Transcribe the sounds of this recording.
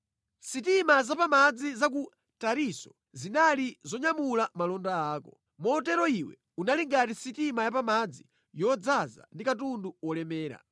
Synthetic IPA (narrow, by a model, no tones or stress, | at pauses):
sitimazapamad͡zizak̬u | taɾisɔ̥ | zinalizɔɲamulamalɔndaaːkɔ | mɔːtɛɾɔiwɛ̰ | unaliŋɡatisitimajapamad͡zi | jɔd͡zaza̰ndikatunduɔlɛmɛːɾa̰